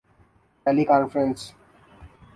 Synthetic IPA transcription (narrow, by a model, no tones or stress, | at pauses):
ʈɛlikɔ̃nfɾə̃ns